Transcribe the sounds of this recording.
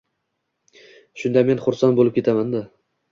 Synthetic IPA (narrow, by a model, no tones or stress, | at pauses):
ʃʊnd̪amenχʊɾsanbolɪp̚kʲe̞t̪ʰamand̪a